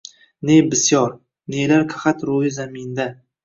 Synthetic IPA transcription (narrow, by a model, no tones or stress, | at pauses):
nebɪsjɒɾ | nelaɾkʰaχat̪ɾojɪzamɪnd̪a